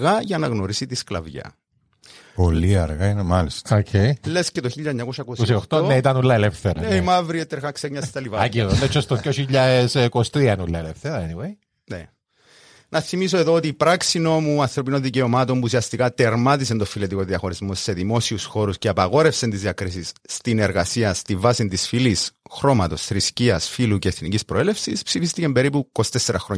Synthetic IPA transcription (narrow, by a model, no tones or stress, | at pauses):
ɣɐʝɐnɐɣnoɾisit̪isklɐ̰vʝɐ̰ | polːiɐɾɣainemɐlist̪okʰejle̞scet̪oçiʎːɐeɲːɐkosɐkososiot̪oneit̪ɐnulːɐelefθeɾɐeimɐvɾiet̪ːeɾɣɐkseɲɲːɐst̪t̪ɐlivɐɐiðonet͡ʃʰːost̪ojoçiʎːɐeskost̪ɾiɐnulːɐelefθeɾɐniwej | ne | nɐθimiso̞e̞ðoot̪iːpɾaksino̞muɐnθɾo̞pinonðice̞o̞mɐt̪o̞mbusiɐst̪ikɐt̪eɾmɐt̪isent̪ofile̞t̪iko̞ðiɐxo̞ɾizmo̞sːe̞ðimo̞siusxo̞ɾusceɐpɐɣo̞ɾe̞fsent̪izðiɐkɾisisːt̪ine̞ɾɣɐsiɐst̪iɱvɐsint̪isfilisxɾo̞mɐt̪o̞sθɾisciɐsfiluceːθnicispɾoele̞fsispsifist̪icembe̞ɾipukosi̥t̪esːeɾɐxɾo